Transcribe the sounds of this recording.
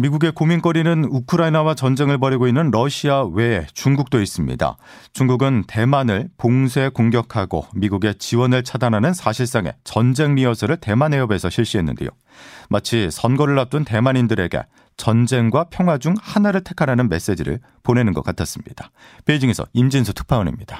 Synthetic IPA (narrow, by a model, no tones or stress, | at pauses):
miɡuɡe̞komink͈ʌɾinɯnukʰɯɾainawat͡ɕʌnd͡ʑe̞ŋɯɭbʌɾiɡoinːɯnɾʌɕʰiawe̞ːt͡ɕuŋɡuk̚t͈ois͈ɯmɲḭda̰ | t͡ɕuŋɡuɡɯnte̞manɯɭpoŋsʰe̞koŋɡjʌkʰaɡo̰miɡuɡe̞t͡ɕiwʌnɯɭt͡ɕʰadanɦanɯnsʰaɕʰiɭs͈aŋe̞̰t͡ɕʌnd͡ʑe̞ŋmiʌsʰʌɾɯɭte̞manɦe̞ʌbe̞sʰʌɕʰiɭɕ͈iɦe̞nːɯ̰ndejo̰ | mʔat͡ɕʰisʰʌnɡʌɾɯɭːap̚t͈untemanindɯɾe̞ɡe̞̰ | t͡ɕʌnd͡ʑe̞ŋɡwapʰjʌŋɦwad͡ʑuŋhanaɾɯɭtʰe̞kʰaɾɦanɯnme̞s͈e̞d͡ʑiɾɯ̰ɭ | pone̞nɯnɡʌk͈atʰas͈ɯmɲḭd̥a | peid͡ʑiŋe̞sʰʌ̰imd͡ʑinsʰɯtʰɯ̥k̚pʰaonḛmɲid̥a